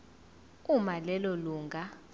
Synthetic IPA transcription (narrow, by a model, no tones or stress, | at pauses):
umalɛloluːŋɡʱa